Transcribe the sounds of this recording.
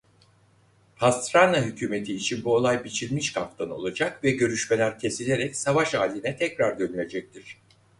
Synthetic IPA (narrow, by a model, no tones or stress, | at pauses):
pʰast̪ɾanaɦycʰyːme̞t̪ʰiːt͡ʃʰinbuo̞lˠajbit͡ʃʰilʲmiʃkʰaft̪ʰano̞̰lˠad͡ʒakvɛɟø̞ɾyʃmelʲæɾcʰe̞silʲe̞ɾɛcsavaʃaːlʲːinɛt̪ʰɛcɾaɾd̪ø̞nylʲe̞d͡ʒɛc̚t̪ʰiɾ̥